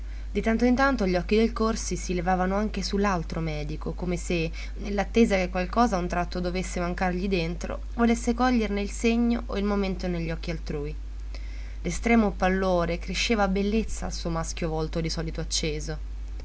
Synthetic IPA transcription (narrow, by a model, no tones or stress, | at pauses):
d̪it̪ant̪oint̪ant̪oʎiɔkːid̪elkorsisilevaːvanoaŋk̟esulːalt̪ɾomɛːd̪ikokomese | nelːat̪ːeːzakekːwalkɔːzaunt̪ɾat̪ːod̪ovesːemaŋkarʎid̪ent̪ɾo̰ | volesːekɔʎːerneilseɲːoʔoilmoment̪oneʎːɔk̟ːialt̪ɾuːi | lest̪ɾɛːmopalːoːɾekɾeʃːeːvabelːet̪sːaːlsuːomaskjovɔlt̪od̪isɔːlit̪oat͡ʃːeːzo